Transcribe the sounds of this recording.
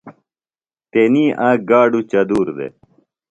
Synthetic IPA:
t̪eːniːʔãːɡaːɖut͡ɕɐd̪uːɾd̪ḛ

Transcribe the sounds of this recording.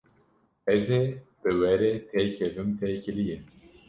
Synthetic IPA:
ɛzeːb̥ɨwɛɾeːt̪ʰekʰɛvɨmt̪ʰeːkɨlijɛ

